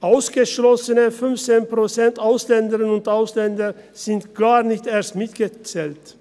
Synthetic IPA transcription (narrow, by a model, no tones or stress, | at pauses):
ʔaʊsɡ̥əʃlɔsənəfʏnft͡seːnpʁ̥ot͡sɛntaʊslɛndəʁənʊntʔaʊslɛndɐ | z̥ɪntɡ̥aːnɪçteːɐstmɪtɡ̥ət͡sɛːlt